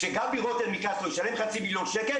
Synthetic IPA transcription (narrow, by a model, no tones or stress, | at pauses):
eɡambiʁot̪elmikaslojeʃalemχat͡similjonʃeke